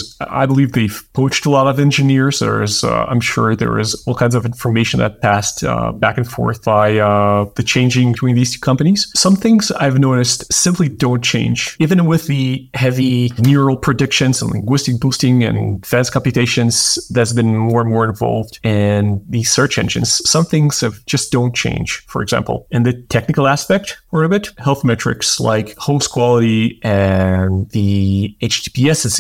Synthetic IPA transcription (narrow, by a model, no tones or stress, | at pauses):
a̰ɪbəlivðeɪv̥pʰoʊt͡ʃtəlɔɾʌvɛ̃nd͡ʒɨnɪɹz̥ðə̰˞z̰ã̰ɪ̃mʃʊ̰ɹðə̰˞ɪ̰zɔlˠkʰãɪ̃nzʌvɪ̃ɱfə˞meɪʃn̩ðɨ̰t̚pʰæstbækɨ̃n̩fɔ̰ɹθb̥aɪðɨt͡ʃʰẽɪ̃nd͡ʒɪ̃ŋbɨtʰĩnðiz̥tʰʉ̥kʰʌ̃mpɨniz̥sʌ̃mθɪ̃ŋza̰ɪvnoʊɾɨstsɪ̃mplidõʊ̃nt͡ʃʰẽɪ̃nd͡ʒivɨ̃nwɪðɨhɛvinʊɹl̩ˠpʰɹ̥ɨdɪkʃɨ̃nzə̃n̩lɪ̰̃ŋɡwɪstɨk̚b̥ustɪ̃ŋɨ̰̃nfæ̃nskʰɑ̃mpjɨtʰeɪʃɨ̃nz̥ðɨzbɨ̃nmɔɹə̃nmɔɹɨ̃ɱvɑ̰lˠvdɪ̃nðɨsɜ˞t͡ʃɛ̰̃nd͡ʒɨ̰̃nz̥sʌ̃mθɪ̃ŋz̥ɨvd͡ʒʌsd̥õʊ̃nt͡ʃʰḛ̃ɪ̃nʒ̥fə̰˞ɨ̰ɡzæ̰̃mpl̩ˠɨ̃nðɨtʰɛk̚nɨkl̩ˠæspɛk̚tə˞ɨbɪthɛlˠθmɛt͡ʃɹ̥ɨ̰ksla̰ɪkhoʊskʰw̥ɑlˠəɾiʔɨ̃nðieɪt͡ʃbiɛss